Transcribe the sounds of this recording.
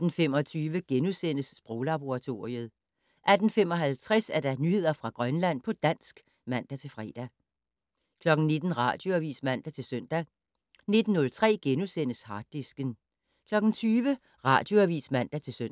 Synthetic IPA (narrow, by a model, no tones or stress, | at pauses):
d̥n̩femɒ̽t͡sʰyːʋəɡ̥enusen̰əsːb̥ʁɔʊlɑ̈b̥o̝ʁɑ̈t͡sʰo̝̰ːʁiəð̞̩ˠ | ʔæd̥n̩fem̰ɒ̽ɦælt͡sʰʁɛsæɐd̥ɑ̈nyhe̝ð̰ˠɐfʁɑ̈ɡ̥ʁɶnlæn̰pʰɒ̽d̥æn̰sɡ̥ | mæn̰d̥æt͡sʰe̝lfʁɛ̰ːd̥æ | kʰlɒ̽ɡ̥n̩ne̝d̥n̩ʁɑ̰̈d̥jo̝æʋḭːsmæn̰d̥æt͡sʰe̝lsøn̰d̥æ | ne̝d̥n̩ːɔ̽lt͡sʰʁɛ̰ːɡ̥enusen̰əshɑ̈ːd̥̚isɡ̥ən | kʰlɒ̽ɡ̥n̩t͡sʰyːʋə | ʁɑ̈d̥jo̝æʋḭːsmæn̰d̥æt͡sʰe̝lsøn̰